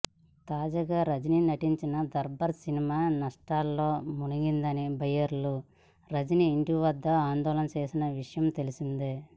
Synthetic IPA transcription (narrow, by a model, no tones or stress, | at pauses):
t̪aːd͡ʒaːɡaːɾɐd͡ʒininɐʈiɲt͡ʃinɐd̪ɐɾbɐɾsinimaːnɐʂʈaːlːoːmuniɡind̪ɐnibɐjɐɾlu | ɾɐd͡ʒiniːɳʈiʋɐd̪ːɐaːnd̪ɔːlɐnɐt͡ʃeːsinɐʋiʂɐjɐmt̪e̞lisind̪eː